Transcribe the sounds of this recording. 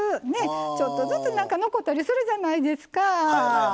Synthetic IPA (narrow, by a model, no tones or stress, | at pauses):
ɨne̞t͡ɕo̞t̪ːo̞zɨt͡sɨnãŋkano̞ko̞t̪ːaɾʲisɨɾɯ̟ʑanaid̪e̞sɨ̥ka